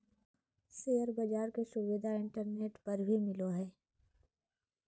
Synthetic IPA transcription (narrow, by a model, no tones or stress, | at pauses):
seːəɾbɐd͡ʒaːɾkesʊʋɪd̪ʱaɪ̃ɳʈəɾneːʈpɐɾbʱimɪloɦɛː